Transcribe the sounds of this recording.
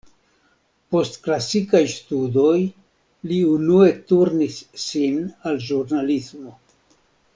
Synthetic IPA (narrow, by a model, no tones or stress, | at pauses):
po̞stklasikajstudo̞j | liunue̞tuɾnisːinalʒuɾnalismo̞